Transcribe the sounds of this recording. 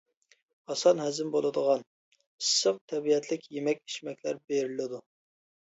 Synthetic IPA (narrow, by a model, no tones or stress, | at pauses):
ɑsɑnɦɛzɪmbolˠɨd̪əʁɑn | isːəq̚t̪ʰɛbiɛt̪ʰlɪkʲjemɛkʲi̥ʃmɛkʲlæɾbeɾɪlɪd̪u